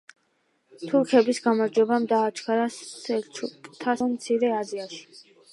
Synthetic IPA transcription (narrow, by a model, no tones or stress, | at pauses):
t̪ʰuɾkʰɛbisɡamaɾd͡ʒwɛbamd̪aːt͡ʃʰkʰaɾasɛt͡ʃʰukʼt̪ʰamt̪sʰiɾɛaziaʃi̥